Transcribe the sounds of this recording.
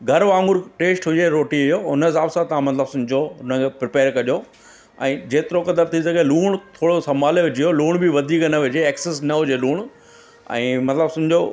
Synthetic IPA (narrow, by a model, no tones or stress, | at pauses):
ɡʱɐɾʋãːŋɡʊɾʈeːsʈɦʊd͡ʑeɾoːʈiʊjoʊnsaːbsãt̪ɐʋ̤ãmɐt̪ləbsʊ̃md͡ʑoʊnəkʰepɾɪpeːɾkɐʄo | ɛ̃ːd͡ʑeːt̪ɪɾokɐd̪əɾt̪ʰisɐɡeluːɽ̃t̪ʰoːɽosɐmaːleʋɪd͡ʑijoluːɽ̃biʋɐd̪ʱikɐnɐʋɪd͡ʑeeːksesnɐɦʊd͡ʑeluːɽ̃ | ɛ̰̃ːmɐt̪ləbsʊ̃d͡ʑo